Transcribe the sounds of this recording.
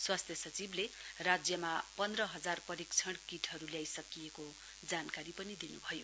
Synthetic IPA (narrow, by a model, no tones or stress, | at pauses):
swast̪ʰjʌsʌt͡siblerad͡zjʌmapʌnd̪rʌɦʌd͡zarpʌɾikt͡sʰʌɽ̃kiʈʰɦʌɾuljajsʌkijeko | d͡zankaɾipʌnid̪inubʱʌjo